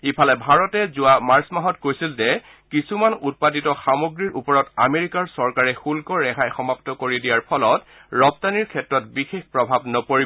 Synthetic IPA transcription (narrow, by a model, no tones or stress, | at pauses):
ipʰalɛbʱaɹɔtɛzʊamaɹsmaɦɔtkojsilzɛ | kisumanut̚patitɔxamoɡɹiɹʔupɔɹɔtameɹikaɹsɔɹkaɹɛxulkɔɹɛxʰajxɔmaptɔkoɹidijaɹpʰɔlɔt | ɹɔptaniɹkʰɛtɹɔtbixexpɹɔbʱabnɔpoɹi